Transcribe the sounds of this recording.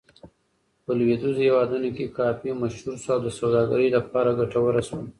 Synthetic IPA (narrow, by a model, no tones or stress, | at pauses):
pəlwed̪uzhewɑd̪unokekɑfimaʃhuɾsoawd̪əsawd̪ɑɡa̰ɾəjlapɑɾaɡaʈawəɾasawən